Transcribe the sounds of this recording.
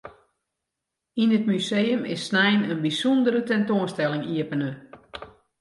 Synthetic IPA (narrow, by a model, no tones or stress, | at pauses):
inət̚mysejəmɪ̰sːnɛjnənbisundəɾətɛntoənstɛlɪŋiəpənə